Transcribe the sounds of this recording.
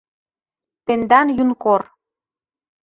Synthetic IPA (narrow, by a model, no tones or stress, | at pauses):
t̪end̪ɑnjunkor